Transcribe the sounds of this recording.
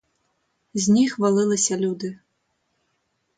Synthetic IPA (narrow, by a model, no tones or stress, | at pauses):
zʲnʲixvalˠɨlˠɐsʲɐlʲud̪ɨ